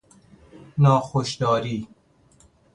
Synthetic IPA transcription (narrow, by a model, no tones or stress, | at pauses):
nɒːxoʃd̪ɒːɾiː